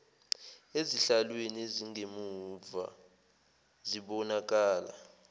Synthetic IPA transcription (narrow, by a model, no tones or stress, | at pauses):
eziɬalwenieziŋemuva̰ | ziɓɔnak̬ʼaːla̰